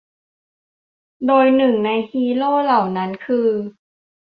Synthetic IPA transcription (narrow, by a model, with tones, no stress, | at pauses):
doː˧jnɯ˨˩ŋna˧jhiː˧loː˥˩˨la˨˩wna˦˥nkʰɯː˧